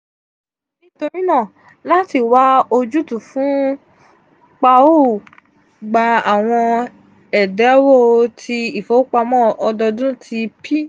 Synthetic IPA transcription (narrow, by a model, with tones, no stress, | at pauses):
nĩ˦to˧ɾĩ˦nã˦˨ | la˦ti˧˨wa˦o˧d͡ʒu˦tu˨fũ˦ | k͡pa˧o˦˨ | ɡ͡ba˧a˨w̃ɔ̃˧ | ɛ˨dɛ˨˦wo˦˧tʰi˧i˦˨fo˨˦k͡pa˧mɔ̃˦ɔ˧dɔ˧dũ˦tʰi˧pʰi˦